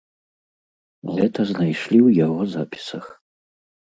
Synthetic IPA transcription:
ʁɛtʰɐznajʂlʲiwjaʁɔza̰pʰi̥sɐx

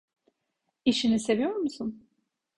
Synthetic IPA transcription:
iʃinise̞vijo̞ɾmusun

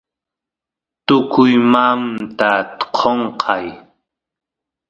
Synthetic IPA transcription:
t̪ʊkʊjmamt̪at̪qʰoɴqʰɑj

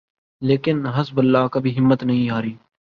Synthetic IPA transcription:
leːkɪnɦɐsbəlːaːkɐbʱiɦɪmːət̪nɐɦĩɦaːɾiː

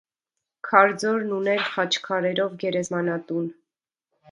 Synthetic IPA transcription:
kʰɑɾd͡zɔɾnunɛɾχɑt͡ʃʰkʰɑɾɛɾɔvɡɛɾɛzmɑnɑt̪un

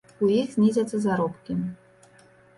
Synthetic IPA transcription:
ujixzʲnʲizʲɐt̪sːɐzaɾɔpkʲi

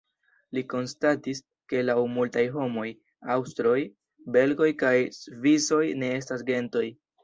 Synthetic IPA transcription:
liko̞nstatis | ke̞lawmultajɦo̞mo̞j | awstɾo̞j | be̞lɡo̞jkajsvizo̞jne̞e̞stasɡe̞nto̞j

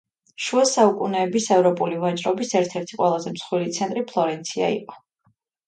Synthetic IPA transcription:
ʃuasaukʼunɛːbisɛvɾɔpʼulivat͡ʃʼɾɔbisɛɾt̪ʰɛɾt̪ʰiqʼwɛlˠazɛmsχwilit̪sʰɛnt̪ʼɾipʰlˠɔɾɛnt̪sʰia̰ḭqʼɔ̥

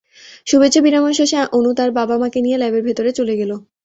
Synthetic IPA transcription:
ʃubet͡ɕːɕʰːobinamoʃoʃãʔonut̪aɾbabamakenijelajbeɾbʱet̪oɾet͡ɕoleɡelo

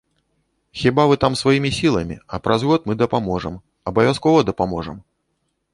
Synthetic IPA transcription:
xʲibavɨt̪amsvajimʲisʲilˠɐmʲḭɐpɾɐzɣɔt̪mɨd̪ɐpamɔʐɛm | ɐbɐvʲaskɔvɐd̪ɐpamɔʐɛm

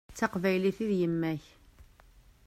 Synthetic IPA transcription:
t͡sːɑqvæjliθiðjəmːæç

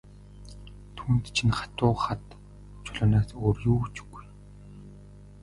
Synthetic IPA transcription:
t̪ʰuːnt̪t͡ɕʰinχḁt̪ʊːχat̪ | t͡ɕʰʊɮʊːnaːsoːrjuːt͡ɕu̥ɡ̥uj

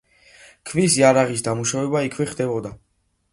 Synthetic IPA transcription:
kʰvisiaɾaʁisd̪amuʃavɛbaikʰvɛχd̪ɛbɔd̪a

